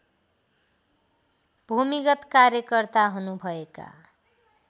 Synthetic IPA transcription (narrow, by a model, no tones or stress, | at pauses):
bʱumiɡʌt̪kaɾjʌkʌrt̪aɦunubʱʌeka̰